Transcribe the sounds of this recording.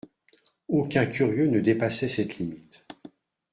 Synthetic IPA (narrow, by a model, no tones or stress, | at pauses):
okʲɛ̃kʲʰyʁjønəd̪epasɛsɛt̪limit̪